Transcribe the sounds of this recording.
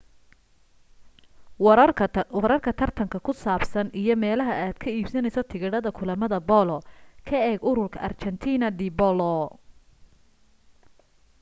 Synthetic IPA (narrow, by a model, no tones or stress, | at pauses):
wɐɾɐrkʰɐt̪ʰɐrt̪ʰɐŋkʰɐkʰʊsaːbsɐnijɞmɛːlɐɦɐʔaːd̪̥kʰɐiːbsɐnɛjsɔt̪ʰɪɣɪɽɐðɐkʰʊlɐmɐðɐbɔlɔkʰɐɛːɡʊɾʊrkʰɐʔɐ̰rt͡ʃɛnt̪ʰiːnɐd̪ɪbɔlɔ